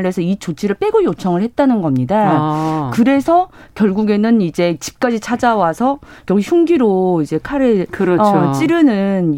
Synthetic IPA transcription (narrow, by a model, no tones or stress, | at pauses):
ɭesʰʌit͡ɕot͡ɕʰiɾɯɭp͈e̞ɡojot͡ɕʰʌŋɯɭhe̞t̚t͈anɯnɡʌmɲidakɯɾe̞sʰʌ | kjʌɭɡuɡe̞nɯnid͡ʑe̞t͡ɕi̥p̚k͈ad͡ʑit͡ɕʰad͡ʑawasʰʌkjʌɡuiçjuŋɡiɾoid͡ʑe̞kʰaɾɯkɾʌt͡ɕ͈iɾɯnɯn